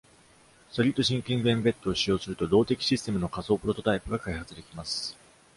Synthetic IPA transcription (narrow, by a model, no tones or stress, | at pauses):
st̪o̞ɾʲit̪ːo̞ɕĩŋkʲĩmbẽmbe̞t̪ːo̞ːɕijo̞ːsɨɾɯ̟t̪o̞d̪o̞ːt̪e̞kʲi̥ɕisɨ̥t̪e̞mɯ̟no̞kaso̞ːpɯ̟ɾo̞t̪o̞t̪aipɯ̟ɡakaihat͡sɨd̪e̞kʲimasɨ̥